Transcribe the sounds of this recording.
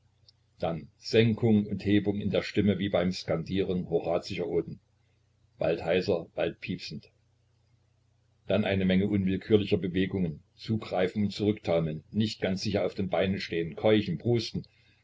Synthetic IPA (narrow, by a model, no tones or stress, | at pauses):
d̥anz̥ɛŋkʰʊŋʊntheːbʊŋɪ̰ndeːɐʃtɪməviːbaɪmskandiːʁənhoʁaːt͡sɪʃɐʔoːdn̩ | b̥a̰lthaɪsɐb̥alt̚pʰiːpsn̩t | d̥anʔaɪnəmɛŋəʔʊnvɪlkʰyːɐlɪçɐbəveːɡʊŋən | t͡suːɡʁaɪfn̩ʊntt͡suʁʏktʰaʊməl̩nːɪçt̚ɡ̥ant͡sz̥ɪç̬ɐaʊfd̥eːnbaɪnənʃteːənkʰɔʏçn̩bʁuːstn̩